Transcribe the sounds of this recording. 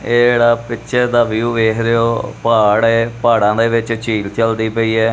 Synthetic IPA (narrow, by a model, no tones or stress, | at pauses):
eːeːɽaːpɪtːʃʰɛːd̪aːʋiuːʋeːkʰɾeoːpaːɽeːpaːɽãːd̪eːʋɪt͡ʃt͡ʃiːlt͡ʃəld̪iːpəiːɛː